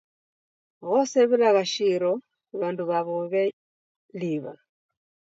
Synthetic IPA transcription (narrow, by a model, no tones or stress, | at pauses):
ɣoseβilaɣaʃiɾo | βaːnduβaβoβe | liβa